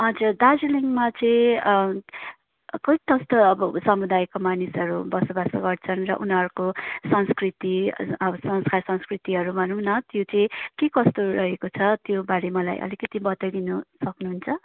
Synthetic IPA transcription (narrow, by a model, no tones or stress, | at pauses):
ʌd͡zurd̪ad͡ziliŋmat͡sʌĩ | kʌiʈ̪ʌst̪ʌʌbʌsʌmud̪ajkomanisʌɾubʌsobasʌɡʌrt͡sʰʌnrʌ̰ʔunʌɾkosʌnskrit̪iʌbʌsʌŋskarsʌ̃nskrit̪iɦʌɾubʱʌnuwnʌt̪jot͡sʌĩkekʌst̪oɾʌɦekot͡sʰʌt̪jobaɾemʌla̰jʔʌ̰likʌt̪ibʌt̪ʌjd̪inʌsʌknuɦunt͡sʰʌ